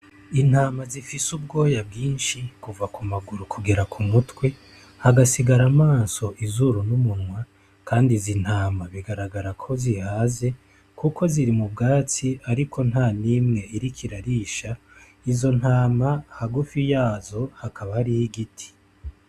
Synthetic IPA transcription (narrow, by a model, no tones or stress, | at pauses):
in̥haːmazifisub̚ɡo̞ːjabɡiːnʃikuvakumaɡuɾukʰuɡeɾakʰumutwe̞ | haɡasiɡaɾamaːnso̞ʔizuɾunumunŋwa | kʰaːndizin̥haːmaβiɡaɾaɡaɾakʰo̞zihaːze̞ | kʰuko̞ziɾimubɡaːt͡siaɾikʰo̞n̥haːniːmŋe̞iɾikʰiɾaɾiːʃa | izo̞nhaːmahaɡufijaːzo̞hakʰaβaɾihiɡitʰi̥